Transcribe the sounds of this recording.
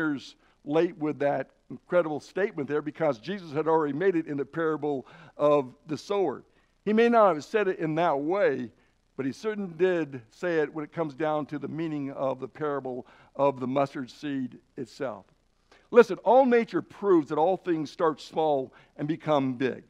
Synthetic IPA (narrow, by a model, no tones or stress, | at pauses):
ɹz | leɪt̚wɪðɨɾ̃ | n̩kʰɹ̥ɛɾəbl̩ˠsteɪt̚mɨ̃nðə˞bɨkʰʌzd͡ʒizəshɨɾl̩ˠɹɛɾimeɪɾɨɾɨ̃nðɨpʰɛɹɨbl̩ˠʌvðɨsoʊə̰˞ | imeɪnət̚hɨv̥sɛɾɨɾɪ̃nðət̚weɪ | b̥ʌt̚isɜ˞ʔn̩lidɪdseɪɪt̚wə̃nɨt̚kʰʌ̃mzdãʊ̃ntʰɨðɨmĩnɪ̃ŋʌvðəpʰɛɹɨbl̩ˠ | ʌvðəmʌstə˞d̥siɾ | ɨtsɛ̰lˠf | lɪsɨ̃nɔlˠneɪt͡ʃə˞pʰɹ̥uvzðəɾɔlˠθɪ̃ŋz̥stɑɹtsmɔlˠ | ɨ̃nbɨkʰʌ̃mbɪ̰ɡ̥̚